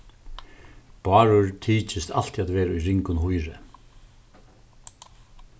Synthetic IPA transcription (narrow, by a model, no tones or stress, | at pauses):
b̥ɑːɾʊɹt̪ʰiːt͡ʃɪst̪ʰa̰l̥t̪iat̪vɛːɾaujɾɪŋkʊnɦʊjɾɪ